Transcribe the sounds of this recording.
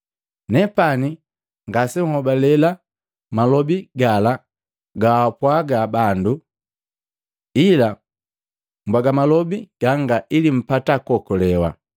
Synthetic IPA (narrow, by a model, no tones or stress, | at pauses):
nɛpani | ŋɡasɛhɔbalɛla | malɔbiɡala | ɡaapwaɡabandu | ila | mbwaɡamalɔbiɡ̥aŋɡaʔilim̩patakɔkɔlɛwa̰